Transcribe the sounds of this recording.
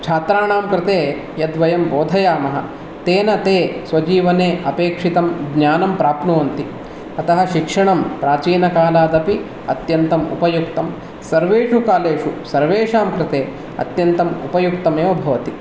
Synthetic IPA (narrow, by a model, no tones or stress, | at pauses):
t͡ʃʰaːt̪ɾaːɳaːmkɾɪt̪eː | jɐd̪ʋɐjɐmboːd̪ʱɐjaːmɐɦɐ | t̪eːnɐt̪eːsʋɐd͡ʒiːʋɐneːʔɐpeːkʂit̪ɐmɡnjaːnɐmpɾaːpnuːɐnt̪i | ɐt̪ɐɦɐʃikʂɐɳɐmpɾaːt͡ʃiːnɐkaːlaːd̪ɐpi | ɐ̰t̪jɐnt̪ɐmṵpɐjuk̚t̪ɐm | sɐɾʋeːʂukaːleːʂusɐɾʋeːʂaːmkɾɪt̪eː | ɐ̰t̪jɐnt̪ɐmṵpɐjuk̚t̪ɐmeːʋɐbʱɐʋɐt̪i